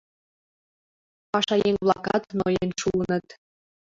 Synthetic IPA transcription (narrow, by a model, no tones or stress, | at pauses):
pɑʃɑjeŋβlɑ̰kɑt̪nojenʃuənət̪